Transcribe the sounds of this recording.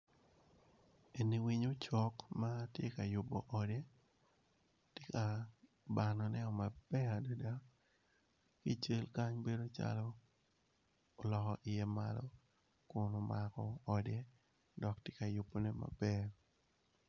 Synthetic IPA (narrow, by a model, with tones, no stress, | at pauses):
e˨ni˨wi˦ɲo˦t͡ʃɔ˦kma˦tjḛ˦ka˨jʊ˨bɔ̰˨ʔɔde˦ | tje˦ka˨ | ba˨nɔ˨nɛ˦ɔ˨ma˨b̥ɛ˦a˨do˦da˦ | ki˦t͡ʃe˦lka˦ɲbe˦do˦t͡ʃa̰lɔ˦ | o˨lɔ˨kɔ˨ʔɪ˨jɛ˦ma̰lɔ | kʊ˨no˨makɔɔde˦ | dɔ˨ktje˦ka˨jʊ˨bo˨ne˦ma̰˨b̥ɛ